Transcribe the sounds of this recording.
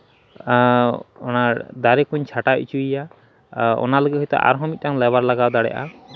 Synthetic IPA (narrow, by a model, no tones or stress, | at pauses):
ɔnad̪aɾɛkuɲt͡ʃʰaʈait͡ʃʰuija | ɔ̰naləɡiɦɔjt̪ɛ̰ʔa̰ɾɦɔ̃mit̪̚ˀtaŋlɛβaɾlaɡawd̪aɽɛ̰jʔa̰